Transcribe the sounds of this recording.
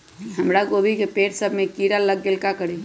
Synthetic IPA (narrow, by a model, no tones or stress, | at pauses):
ɦəmɾaɡobʱikepeɾsəbʱmekiɾaləɡːelkakəɾi